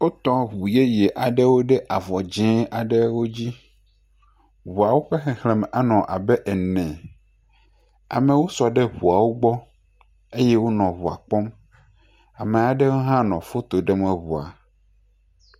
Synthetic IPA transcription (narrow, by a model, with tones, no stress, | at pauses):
wo˦t̪ɔ̃˦βu˨je˦je˨ʔa˨ɖɛ˦wo˦ɖɛ˦ʔa˨vɔ˨d͡ʒɛ̃˦a˨ɖe˦wo˦d͡ʑi˦ | βu˨a˨wo˦ɸe˦xɛ̃˨hlɛ̃˨m˨a˦nɔ̃˨ʔa̰˨bɛ˦ʔɛ˨nɛ̃˨ | a̰˨mɛ̃˨wo˦sɔ˨ɖe˦ɸu˨a˨wo˦ɡ͡bɔ˦ | e˦jɛ˦wo˦nɔ̃˨βu˨a̰˨k͡pɔ˦m | a˨mẽ˨a˨ɖɛ˦wo˦ɦã˦nɔ̃˨fo˦t̪o˨ɖe˦mɛ̃˨βu˨a̰˨